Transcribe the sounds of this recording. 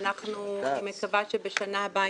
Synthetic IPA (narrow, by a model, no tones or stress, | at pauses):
naχnumekavaʃebeʃanaba